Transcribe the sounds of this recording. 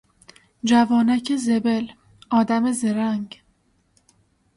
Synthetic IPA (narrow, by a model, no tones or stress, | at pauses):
d͡ʒævɒːnæcʰezebel | ɒːd̪æme̞zeɾæŋɡ